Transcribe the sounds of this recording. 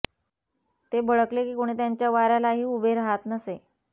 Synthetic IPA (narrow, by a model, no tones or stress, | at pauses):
t̪ebəɭəklekiːkoɽ̃iːt̪jaɲt͡ɕjaʋaɾalaɦiːubʱeɾaɦat̪nəse